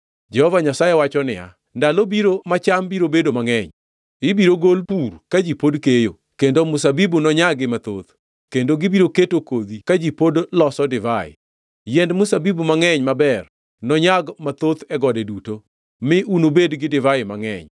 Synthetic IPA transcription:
d͡ʒɛhɔvaɲasajewat͡ʃɔnɪ̰a̰ | ndalobiɾomat͡ʃambiɾobedomaŋɛɲ | ɪbiɾoɡolpurkad͡ʒipodkejo̰ | kendomʊsabibunɔɲaɡɪmat̪o̰t̪ | kendoɡɪbiɾoketokod̪ikad͡ʒipodlɔsɔdɪvaɪ̰ | jɛndmʊsabibumaŋɛɲmabɛr | nɔɲaɡmat̪ot̪ɛɡɔdɛduto | mɪʔunobedɡɪdɪvaɪmaŋɛ̰ɲ

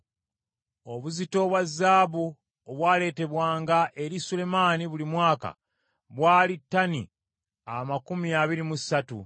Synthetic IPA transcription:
o̞βuzito̞βwazːaːβu | oβwaːle̞ːte̞βwaːŋɡaʔe̞ɾisule̞maːniβulimwaːka̰ | βwaːlitːanḭ | amakumiaβiɾimusatu

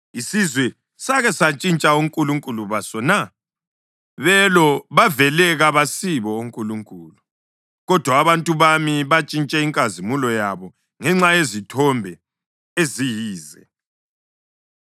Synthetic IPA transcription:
isizwɛ | saɣɛsat͡ʃʼint͡ʃʼauŋkʼuluŋkʼuluβasɔna | βɛlɔβavɛlɛɣaβasiβɔuŋkʼuluŋkʼuːlu | ɣɔd̥ʱwaːβantʼuβamiβat͡ʃʼint͡ʃʼɛiŋkʼazimulɔjaβɔ | ŋɛŋ͡ǁajezitʰɔmbʱɛ | ezijiːzɛ

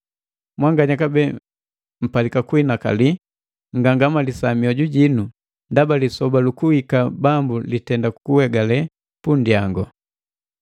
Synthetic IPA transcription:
mwaŋɡaɲakabɛ | m̩palikakuinaka̰li | ŋɡaŋɡamalisamiɔɟuɟinu | ndabalisɔbalukuhikabambulitɛndaku̥kuwɛɡalɛ | pundjaŋɡɔ

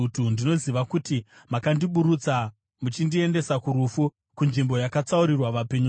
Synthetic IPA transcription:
utundino̞ziʋakutimakandiɓuɾut͡sa | mut͡ʃindie̞nde̞sakuɾufu | kunʐimbo̞jakat͡sauɾirwaʋape̞ɲu

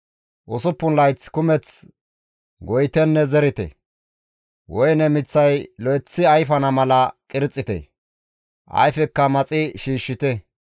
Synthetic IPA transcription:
ʔʊsʊpːʊnlɐjt͡skʊmɛt͡s | ɡɔjt̪ɛnːɛzɛɾɪt̪ɛ̰ | wʔɔjnɛmɪt͡sːɐjlɔjt͡sːɪɐjfɐnɐmɐlɐkʼɪɾt͡sʼːɪt̪ɛ̰ | ʔɐ̰jfɛkːɐmɐt͡sʼɪʃiːʃːɪt̪ɛ

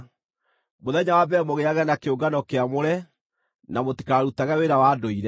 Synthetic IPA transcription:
moðɛɲawabɛmoɣeaɣɛnakeoɡanɔkeamoɾɛ | namoti̥kaɾaɾutaɣɛweɾawadoiɾɛ

